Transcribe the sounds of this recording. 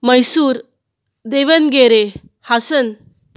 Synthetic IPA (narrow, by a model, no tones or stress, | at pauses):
məjsuɾ | d̪eʋənɡeɾe | hasən